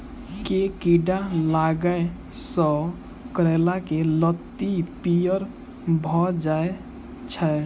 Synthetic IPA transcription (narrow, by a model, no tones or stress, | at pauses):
kekiɖalaɡəe | sɔ | kɾelakelət̪ːipijəɾ | bʱɔd͡ʒae | t͡ʃʰə